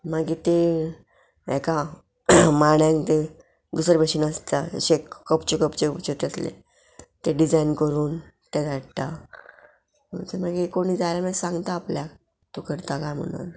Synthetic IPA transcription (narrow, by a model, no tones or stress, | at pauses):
maɡit̪e | ɛka | maɽjãŋkt̪e | d̪usɾbeɕinast̪aɕekːəpt͡ɕekəpt͡ɕept͡ɕet̪aslḛ | t̪eɖid͡zainkəɾuːn | t̪eɡaʈt̪a | mət͡semaɡikoɽ̃iːd͡zalamãsãŋɡt̪aːplja | t̪ukəɾt̪akajm̤ə̰ɽa̰n